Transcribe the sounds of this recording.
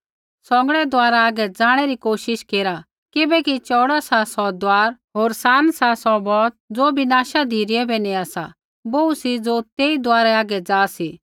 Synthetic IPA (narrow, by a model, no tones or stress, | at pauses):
sɔ̃ŋɡəɽɛd̪aːɾaaːɡɛd͡zaːɽ̃ɛɾikoːʃɪʃkeːɾa | kɪbɛkit͡ʃɔːɽasasɔd̪aːɾɦoːɾsaːnsasɔbɔːt̪̚d͡zoːbɪnaːʃad̪ʱiːɾɪɛbɛnĩaːsa̰ | bousid͡zoːt̪eːid̪ʊaːɾɛaːɡɛd͡zaːsi